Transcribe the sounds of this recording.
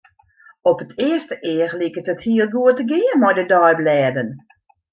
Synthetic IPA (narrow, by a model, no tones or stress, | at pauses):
ɔpətʰɪəstəʔɪərlikətəthiəlˠɡuətəɡɪəmɔjdədɔjblɛːdən